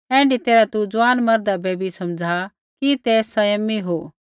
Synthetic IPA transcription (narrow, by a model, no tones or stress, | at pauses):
ɛ̃ːɳɖit̪eːɾat̪ud͡zʊʋaːnmɐɾd̪abʱeːbʱisɐmd͡zʱa | kit̪eːsɐjəmːiɦoː